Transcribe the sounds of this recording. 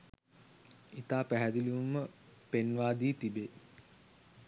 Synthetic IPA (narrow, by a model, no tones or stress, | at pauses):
it̪aːpæɦæd̪iliʋumə | penʋaːd̪iːt̪ibe